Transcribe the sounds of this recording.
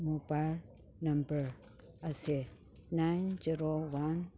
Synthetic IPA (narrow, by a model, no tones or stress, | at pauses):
mobal | nãmbəɹ | ase | najnd͡ʒiɾowan